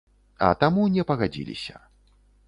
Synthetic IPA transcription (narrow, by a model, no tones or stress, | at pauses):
ɐ̰t̪amunʲɛpɐɣad͡zʲḭlʲḭsʲɐ̰